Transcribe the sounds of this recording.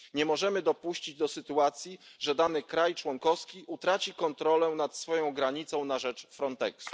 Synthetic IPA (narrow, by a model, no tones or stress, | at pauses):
ɲɛmɔʐɛmɘd̪ɔpuɕt͡ɕid͡ʑd̪ɔsɘt̪uat̪sʲjiʐɛd̪anɘkɾajt͡ʂwɔŋkɔfskʲiʔut̪ɾat͡ɕikɔnt̪ɾɔlɛnat̪sfɔjɔ̃w̃ɡɾaɲit̪sɔ̃w̃naʐɛt͡ʂfɾɔnt̪ɛksu̥